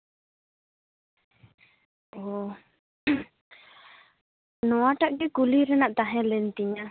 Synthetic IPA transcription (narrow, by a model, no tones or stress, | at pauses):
o | nɔaʈaʔkɛkuliɾɛnaʔt̪aɦɛ̃lɛnt̪iɲa